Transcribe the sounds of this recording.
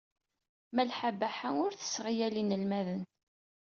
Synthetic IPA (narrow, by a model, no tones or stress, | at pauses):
mælħabaħaʊɾθə̥sʁijælinəlmæðən